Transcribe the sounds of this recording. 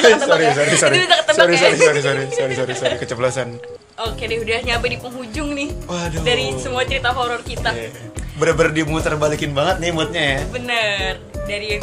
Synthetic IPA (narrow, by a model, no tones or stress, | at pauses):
saɾis̬oɾisoɾiit̪akət̪ːəsaɾisoɾisoɾis̬oɾisoɾisoɾisoɾikət͡ʃəplasan | ʔokedihudahɲaːbadipəŋɦud͡ʒʊŋnɪhododaɾisəmuat͡ʃəɾit̪aɦoɾɔrkit̪a | bəɾbərdimut̪ərbalikɪnbaŋət̪̚nimut̪̚ɲajabənər | daɾi